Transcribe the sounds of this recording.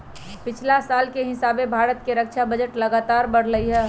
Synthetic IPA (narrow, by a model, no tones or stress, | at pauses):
pɪt͡ʃʰlasaːlkeɦɪsaːbebʱaːɾət̪̚keɾək̚t͡ʃʰabəd͡ʒəʈləɡaːt̪aːɾbəɽ̤ləiɦɛ